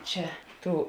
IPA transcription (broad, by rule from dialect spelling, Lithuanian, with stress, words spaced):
ˈt͡ʃʲɛ ˈtuː